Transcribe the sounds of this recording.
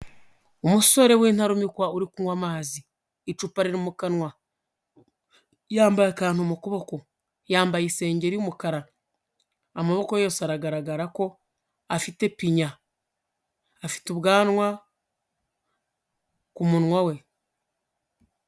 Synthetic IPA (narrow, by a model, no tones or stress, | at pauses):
umuso̞ɾe̞wiːn̥haɾumikwauɾikunwamaːziː | t͡ʃupaɾiɾimukanwa | jaːmbajekaːn̥umukuβoko | jaːmbajise̞ːɲɟe̞ɾiumukaɾa | amaβo̞ko̞jo̞ːseaɾaɡaɾaɡaɾako̞ | afite̞piɲa | fi̥tuβɡaːnwa | kumunŋwawe̞